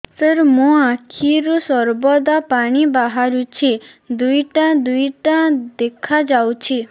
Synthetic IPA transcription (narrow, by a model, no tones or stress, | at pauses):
səɾmũãkʰiɾusɔɾbɔd̪apaɽ̃ibaɦaɾut͡ʃʰi | d̪ujʈãd̪ujʈãd̪ekʰad͡ʒawt͡ʃʰi